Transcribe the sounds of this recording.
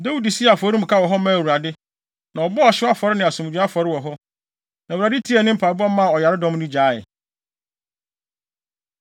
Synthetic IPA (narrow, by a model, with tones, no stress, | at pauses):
da˦wu˦˨di˨si˦a˨fɔ˨˦ɾi˦m̩˨kʰa˦wɔ˨ɦɔ˦mã˦˨wu˨ɾa˨dɪ˦ | nã˨ɔ˨bɔ˦ɔ˨ɕɪ˦a˦fɔ˨ɾɪ˦nɪ̃˨a˨sʊ̃˨m˨d͡ʑᶣu˨˦a˦fɔ˨ɾɪ˦wɔ˨ɦɔ˦ | nã˨a˨dɪ˦tʰi˦ɛ˨nɪ̃˦m̩˦pʰa˨bɔ˦mã˦˨ɔ˨ja˨ɾɪ˦dɔ̃˦m˦nɪ̃˦d͡ʑaː˨˦ɪ̰˨